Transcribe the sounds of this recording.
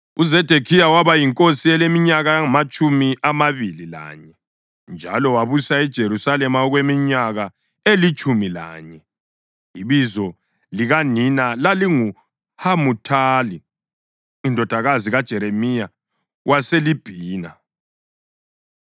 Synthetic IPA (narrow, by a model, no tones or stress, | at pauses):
uzɛd̥ʱekʰijawaβajiŋkʼosiɛlemiɲaɣaaŋamat͡ʃʼumiʔamaβilila̰ːɲɛ | nd͡ʒʱa̰lɔwaβusaɛd̥ʒ̥ʱeɾusalɛmaɔɣwemiɲaɣa | elit͡ʃʼumila̰ːɲɛ | iβizɔ | liɣaninalaliŋu | hamutʰaːli | indʱɔd̥ʱaɣaziɣad̥ʒ̥ʱɛɾemija | wʔaselib̥ʱiːna